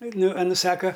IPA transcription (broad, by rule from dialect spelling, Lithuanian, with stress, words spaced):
ˈnʊ ɐˈnʊ ˈsɑːkɐ